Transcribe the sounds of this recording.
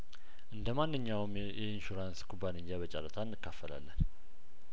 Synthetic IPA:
ʔɨnd̪əmanːɨɲːawm | jɛɪnʃuɾanskʰʼubːaniɲd͡ʒaβət͡ʃʼaɾət̪ʰaɨnːɨkːafːəla̰lːən

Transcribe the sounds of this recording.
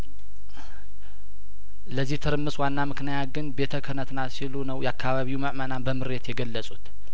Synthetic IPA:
ləzːiht̪ʰɨɾɨmːɨsʼwanːamɨknəjaɡɨnbe̞t̪ʰəkʰənət̪nasilunəwjɛakːaβaβiwuməʔmənanbəmɨɾe̞t̪jɛɡəlːəsʼut̪

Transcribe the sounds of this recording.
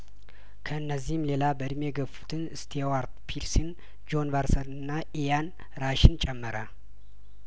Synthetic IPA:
kʰəɨnːəzːihɨmle̞labəd̪ɨmjɛɡəfu̥t̪ʰɨnɨst̪ʰewaɾt̪pʰiɾsin | d͡ʒo̞nvaɾsənɨnːaʔijan | ɾaʃɪnt͡ʃʼɛmːəɾa

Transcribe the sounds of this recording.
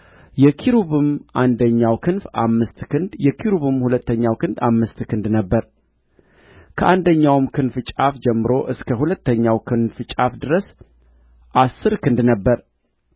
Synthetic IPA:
jɛkʰiɾuβɨmʔand̪əɲːawkʰɨnfamːɨst̪ɨjɛkʰiɾuβɨmhulət̪ːəɲːawkɨnd̪amːɨst̪kʰɨnd̪nəbːəɾ | kʰəʔand̪əɲːawmkʰɨnfɨt͡ʃʼafd͡ʒɛmːɨɾo̞ʔɨskʰəhulət̪ːəɲːawkʰɨnfɨt͡ʃʼafd̪ɨɾəs | ʔasːɨɾkʰɨnd̪nəbːəɾ

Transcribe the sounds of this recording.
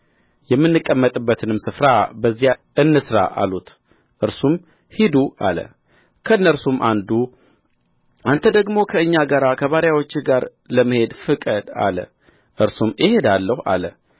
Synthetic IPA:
jɛmːɨnːɨkʼːəmːət̪ʼɨbːət̪ʰɨnɨmsɨfɾabəzːijaʔɨnːɨsɾa̰ʔa̰lut̪ | ʔɨɾsum | hid̪uʔa̰lə̰ | kʰəɨnːəɾsumʔand̪u | ant̪ʰəd̪əɡmo̞kʰəɨɲːaɡəɾakʰəβaɾjawo̞t͡ʃːɪɡaɾ | ləmːəhe̞d̪fɨkʼəd̪a̰lə̰ | ʔɨɾsumʔɪhe̞d̪alːəha̰lə̰

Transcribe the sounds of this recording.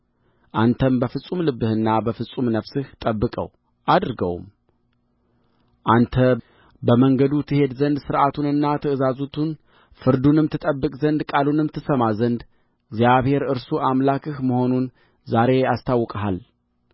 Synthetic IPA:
ʔant̪ʰəmbəfɨsʼumlɨbːɨhɨnːabəfɨsʼumnəfsɨht̪ʼəbːɨkʼə̰w | ʔad̪ɾɡə̰w̰m | ʔant̪ʰə | bəməŋɡəd̪ut̪ʰɨhe̞d̪zənd̪sɨɾʔat̪ʰunɨnːat̪ʰəɨzazut̪ʰun | fɨɾd̪unɨmt̪ʰɨt̪ʼəbːɨkʼzənd̪kʼalunɨmt̪ʰɨsəmazənd̪ | ɡzjaβhe̞ɾɨɾsuʔamlakʰɨhməho̞nun | zaɾe̞ast̪ʰawːkʼəɦal

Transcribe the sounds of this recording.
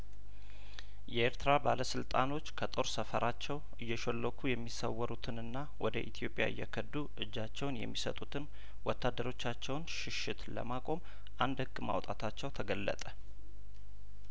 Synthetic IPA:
jɛʔeɾt̪ʰɨɾabaləsɨlt̪ʼano̞t͡ʃːkʰət̪ʼo̞ɾsəfəɾʔat͡ʃːɛw | ɨjːɛʃolːəkʰujɛmːisəwːɔɾut̪ʰɨnɨnːawɔd̪əʔit̪ʰijo̞pʼja̰ɨ̰jːɛkʰəd̪ːuʔɨd͡ʒːat͡ʃːɛwnjɛ̰mːisət̪ʼut̪ʰɨn | wɔt̪ʰːad̪ːəɾo̞t͡ʃːat͡ʃːɛwnʃɪʃɪt̪lə̰makʼo̞m | ʔand̪hɨɡːma̰wt̪ʼat̪ʰat͡ʃːɛwt̪ʰəɡəlːə̰t̪ʼə

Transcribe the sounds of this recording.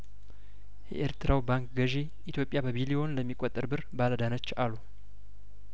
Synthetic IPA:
jɛ̰ʔeɾt̪ʰɨɾawbaŋkʼɡəʒe | ʔit̪ʰjo̞pʼjabəβilijo̞nləmːikʼot̪ʼːɨɾbɨɾbaləd̪anət͡ʃːalu

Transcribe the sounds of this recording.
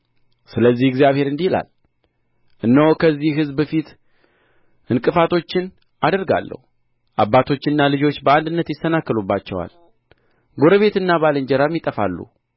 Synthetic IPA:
sɨləzːihɛɡzjaβhe̞ɾɨnd̪ihla̰l | ʔɨnːəwokʰəzːihɦɨzbəfit̪ | ʔɨŋkʼɨfat̪ʰo̞t͡ʃːɪn | ad̪əɾɡa̰lːə̰hu | ʔabːat̪ʰo̞t͡ʃːɨnːalɨd͡ʒo̞t͡ʃːbəand̪ɨnːət̪jɪsənakːəlubːat͡ʃːɛwa̰l | ɡo̞ɾəβe̞t̪ɨnːaβalɨɲd͡ʒɛɾamjit̪ʼəfa̰lːṵ

